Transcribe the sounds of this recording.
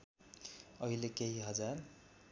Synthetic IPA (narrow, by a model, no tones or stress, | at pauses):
ʌɦilekeɦiɦʌd͡zar